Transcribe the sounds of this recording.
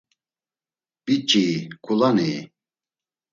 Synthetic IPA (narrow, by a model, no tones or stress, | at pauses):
pit͡ʃʼiːkʰʼulaniː